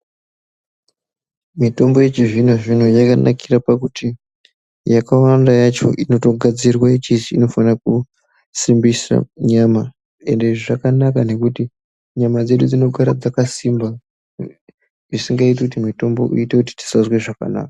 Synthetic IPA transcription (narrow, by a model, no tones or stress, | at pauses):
mito̞mbo̞je̞t͡ʃiʐinoʐin̤ojakanʔa̰kʰirapakuti | jakawandajat͡ʃo̞̰ʔino̞toɡʱad͡zirwaet͡ʃit͡ʃiːno̞fanak̚u | simbisa̰ɲama | e̞ndeʐiʐakanakane̞kuti | ɲamad͡ze̞ɗud͡zino̞ɡʱaɾad͡zakasimba | ʐisiŋɡait̬ekutimito̞mbo̞̰ʔṵitekuti̥ti̥sazweʐaka̰na̰ːkḁ